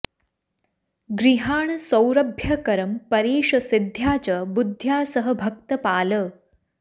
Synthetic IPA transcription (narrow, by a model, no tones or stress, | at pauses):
ɡɾiɦaːɳsə̃wɾəbʱjɐkɐɾəmpəɾiːʂɐsid̪ʱjaːt͡ɕəbud̪ʱːjaːsəɦəbʱək̚t̪əpaːlə